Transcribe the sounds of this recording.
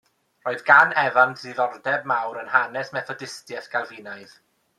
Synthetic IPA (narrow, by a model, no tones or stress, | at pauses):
roːɨðɡanɛvantʰðiðɔrdɛbmawɾənhanɛsmɛθɔdɪstjɛθɡ̥alˠvinaɨð